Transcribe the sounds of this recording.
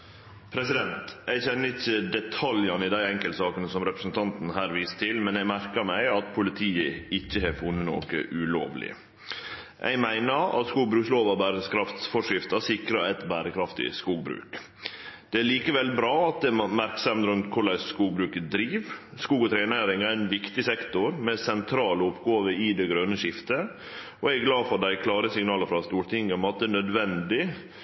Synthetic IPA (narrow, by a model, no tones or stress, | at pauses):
pʰɾɛsɪd̪ɛnt̪æɪçɛnːəɪçːəd̪ɛt̪ʰɑljɑnəɪd̪æɪɛŋkəlt̪sɑːkənəsɔmɾɛpɾə̥sn̩t̪ʰɑnt̪n̩ɦæːɾʋiːst̪ʰɪlmɛnɛɪmæɾkəɾmæɪɑt̪pʰʊlɪt̪ʰiːəɪçːəhɛfʊnːəno̰ːkə̰ʔʉlo̰ːʋlɪ̰ə̰ | ʔɛ̰ɪmæɪnəɾɑ̰t̪skuːɡbɾʉːksloːʋɑbæːɾəskʰɾɑft̪fɔʂɪft̪ɑsɪkɾɑɛt̪bæːɾəkʰɾɑft̪ɪ̰skuːɡbɾʉ̰ːk | d̪̥ɛæːɭiːkəʋɛlbɾɑːɑt̪̚d̪ɛmæɾksɑmt̪ɾʉnt̪kʰʊɭæɪsskuːɡbɾʉːkəd̪ɾiːʋ | skuːɡɔt̪ʰɾæɪneːɾɪŋæɾɛnʋɪkt̪ɪsɛkt̪ʊɾmɛsɛnt̪ʰɾɑːləʊpɡoːʋəɪd̪ɛɡɾœnəʃɪft̪ə | ɔɛɡɡlɑːfɔɖ̪æɪkʰlɑːɾəsɪŋnɑːləfɾɑst̪uːɾʈ̪ʰɪŋːəmɛɑt̪̚d̪ɛnœd̪ʋɛnd̪ɪ